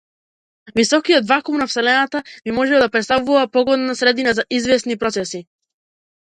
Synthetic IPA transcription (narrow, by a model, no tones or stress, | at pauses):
visɔkiɔt̪vakumnafsɛlɛnat̪abimɔʒɛd̪apɾɛt̪st̪avuvapɔɡɔd̪nasɾɛd̪inazaʔizvɛsnipɾɔt̪sɛsi